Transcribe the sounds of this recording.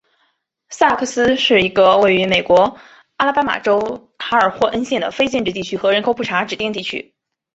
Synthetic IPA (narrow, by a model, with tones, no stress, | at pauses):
sa˥˧˩kʰɤ˥˩sɹ̩˥ʂɻ̩˥˩i˧˥ɡə˧we˥˩ɪy˧˥me˨˩ɪkwɔ˧˥ | a˥la˥˧pa˥ma̰˨˩ʈ͡ʂo˥ʊt̪ʰa˧˥ə˞˨˩xwɔ˥˩ʔə˥nɕjɛ˥˩nd̪ə̰˩fe˥ɪt͡ɕjɛ˥˧nʈ͡ʂɻ̩˥˧t̪i˥˩t͡ɕʰy˥xɤ˧˥ɻə˧˥nkʰo˨˥ʊpʰu˥˩ʈ͡ʂʰa˧˥ʈ͡ʂɻ̩˨˩t̪i˥˧ŋt̪i˥˩t͡ɕʰy̰˥